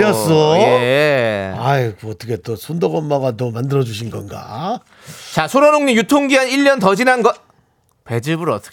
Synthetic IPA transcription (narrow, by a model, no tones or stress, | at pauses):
as͈ʌe | aikʌt͈ʰʌkʰe̞t͈osʰondoɡʌmːaɡatomandɯɾʌd͡ʑuɕʰinɡʌnɡa̰ | t͡ɕasʰoɾʌɾoŋɲimjutʰoŋɡiɦaniʎːʌntʌd͡ʑinanɡʌ | pe̞d͡ʑɯbɯɾʌt͈ʰʌ̥